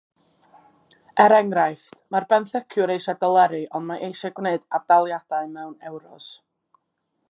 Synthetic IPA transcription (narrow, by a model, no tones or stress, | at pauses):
ɛɾɛŋɾajftmarbɛnθɛkʰjʊɾejʃadɔlˠɛɾɨʔɔndmaʔejʃaɡwneɨd̥ardalˠjad̥aɨmɛwnɛwɾɔs